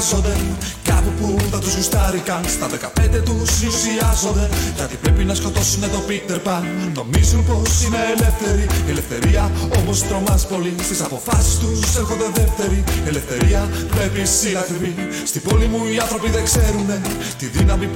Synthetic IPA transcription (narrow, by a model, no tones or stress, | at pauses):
zod̪e̞kɐpupuθɐt̪uzɣust̪ɐɾikɐnst̪ɐðe̞kɐpe̞nd̪e̞t̪usisiɐzod̪eʝɐt̪ipɾepinɐsko̞t̪o̞sunet̪o̞pikt̪e̞ɾpɐno̞mizunpo̞sine̞ːle̞fθe̞ɾielefθe̞̰ɾiɐo̞mo̞st̪ɾo̞mɐspo̞list̪isɐpo̞fɐsi̥st̪usexond̪eðeft̪e̞ɾiele̞fθe̞ɾiɐvepisinɐt̪ɾivi | st̪ibo̞limuiɐnθɾo̞piðe̞kse̞ɾune̞ | t̪iðinɐmi